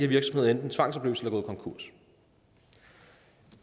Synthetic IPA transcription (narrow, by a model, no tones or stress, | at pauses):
æɐʋiɐɡ̥sɒ̽mheð̰ˠend̥n̩t͡sʰʋɑ̈ŋ̰sɒ̽b̥le̝ʊlsə̥elɐɡɔːð̩ˠkʰɒ̽ŋkʰuɐ̰s